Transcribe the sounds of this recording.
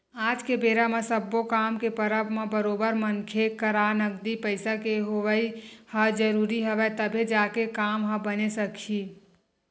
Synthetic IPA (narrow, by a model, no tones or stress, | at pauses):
ad͡ʒkebeɾamẽsəbːokamkepəɾəbmebəɾobəɾmənkʰekəɾanəɡd̪ipəɪsakeɦoʋəjhəd͡ʒəɾuɾiɦəʋɛt̪əbʱed͡ʒakekamɦə̃bənesəkʰi